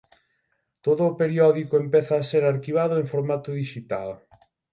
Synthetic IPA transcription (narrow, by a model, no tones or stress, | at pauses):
t̪oðʊːpeɾiɔðikoempɛθaːseɾaɾkiβ̞aðʊeŋfoɾmat̪ʊðiʃit̪a̰l